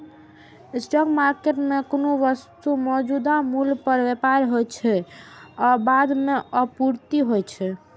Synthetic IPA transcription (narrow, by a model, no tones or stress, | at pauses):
sʈɔkmaɾkeʈmekonoʋəst̪umɔd͡ʒud̪amulpəɾʋepaɾɦojt͡ʃʰɛɔbad̪meəpuɾt̪iɦojt͡ʃʰɛ